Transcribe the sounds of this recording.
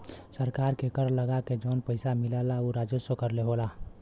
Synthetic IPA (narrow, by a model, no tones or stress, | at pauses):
səɾkaɾkekəɾləɡaked͡ʒənpəɪsamilalaoɾad͡ʒosokəɾleɦola